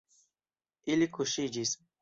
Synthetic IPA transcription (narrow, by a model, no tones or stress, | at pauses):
ilikʰuʃid͡ʒis